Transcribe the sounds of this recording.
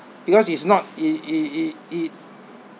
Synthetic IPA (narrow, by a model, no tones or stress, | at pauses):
b̥ikɔsisnɔt̚iiiit